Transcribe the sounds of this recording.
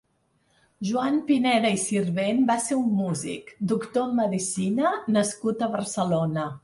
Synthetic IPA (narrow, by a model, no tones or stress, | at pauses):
ʒuampinɛðəisirβenbaseumːuzḭkd̪ukt̪oəmːəðisinənəskut̪əβərsəlonə